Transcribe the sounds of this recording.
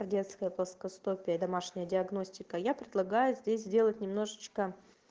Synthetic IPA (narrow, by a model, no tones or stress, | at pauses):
rdʲe̞t̪skəjəplˠəskɐst̪opʲɪjəd̪ɐmaʂnʲɪjədʲɪɐɡno̞sʲtʲɪkəjapɾʲɪd̪lˠɐɡajʊzʲdʲesʲzʲdʲe̞lˠətʲnʲɪmno̞ʐɨt͡ɕkə